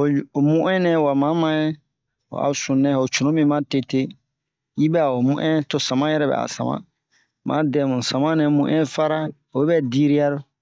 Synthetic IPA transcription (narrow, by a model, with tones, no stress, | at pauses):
o˨o˨mũ˦ʔɛ̃˦nɛ̃˨wa˨mã˨˦mã˨˦jɛ˦ | o̰˨a̰˨sũ˨nɛ̃˦˨o˨t͡ʃu˨nõ˦mĩ˦mã˦te˨te˦ | ji˦bɛ˦a˨o˨mũ˦ʔɛ̃˦to˨sã˨mã˦jɛ˨ɾɛ˦bɛ̰˨a̰˨sã̰˨mã̰˦ | mã̰˦dɛ˨mũ˨sã˨mã˦nɛ̃˨mũ˦ʔɛ̃˦fa˦ɾa˦ | o˨bɛ˦bɛ˦di˦ɾi˦a˦ɾo˦